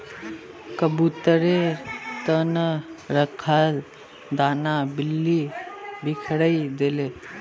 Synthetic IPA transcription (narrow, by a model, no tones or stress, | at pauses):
kəbut̪əɾet̪ənəɾəkʰal | d̪anabilːibikʰɽəid̪ele